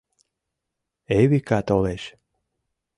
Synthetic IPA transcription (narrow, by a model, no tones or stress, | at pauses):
eβikat̪oleʃ